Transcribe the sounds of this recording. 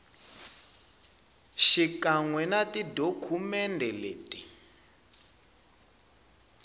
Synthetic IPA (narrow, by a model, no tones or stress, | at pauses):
ʃikaŋwɛnatidokʰumɛndʱɛleːti